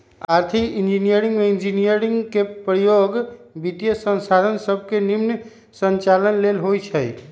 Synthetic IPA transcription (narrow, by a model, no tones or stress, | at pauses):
aɾt̪ʰikind͡ʒinijəɾiŋɡmeind͡ʒinijəɾiŋɡkepɾəjoɡbit̪ijəsə̃nsad̪ʱənsəb̚ʱkenimn | sənt͡ʃalənlelɦojt͡ʃʰəj